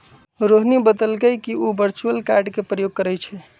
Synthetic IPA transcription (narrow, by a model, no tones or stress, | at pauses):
ɾoɦnibəd̪əlɡəjkiubəɾt͡ʃuəlkaɾɖkepɾəjoɡ̚kəɾɛt͡ʃʰɛ